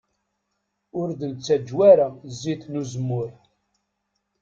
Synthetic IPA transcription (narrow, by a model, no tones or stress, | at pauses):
ʊɾd̪ənt͡sːæd͡ʒwæɾazːiθnuzəmːʊɾ